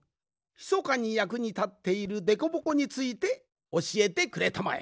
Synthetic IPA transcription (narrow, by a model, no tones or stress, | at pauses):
çi̥so̞kaɲ̟ijakɯ̟ɲ̟it̪at̪ːe̞iɾɯ̟d̪e̞ko̞bo̞ko̞ɲ̟it͡sɨit̪e̞ | o̞ɕie̞t̪e̞kɯ̟ɾe̞t̪ama̰ḛ